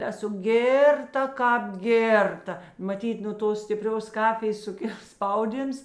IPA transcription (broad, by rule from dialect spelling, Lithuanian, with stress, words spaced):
ˈæːsʊ ˈɡʲeːrˌtɐ ˈkɑːp ˈɡʲeːrˌtɐ mɐˈtʲiːt nʊ ˈtoːs sʲtʲɪˈpʲrʲoːs ˈkɑːfʲɪjeːs sʊˈkʲɪlˠ ˈspɐʊˌdʲiːms